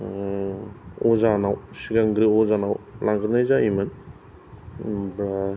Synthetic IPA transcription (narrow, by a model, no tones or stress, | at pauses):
ɔzanawsiɡaŋɡɾiɔzanawlʔaŋɡɯnajzaimɯn | bɾa